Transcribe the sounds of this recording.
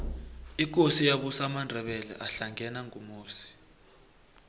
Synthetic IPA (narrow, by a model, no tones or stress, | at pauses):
ik̬osijaɓusamandʱɛɓɛlɛ̰ʔaɬaŋʱɛnaŋʱumoːsi̥